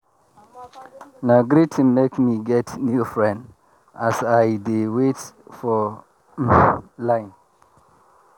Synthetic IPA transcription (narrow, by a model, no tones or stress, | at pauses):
nãɡɾitʰĩnmekmiɡɛtnjufɹɛ̃nd | asaɪdewetfɔ | lãɪ̃n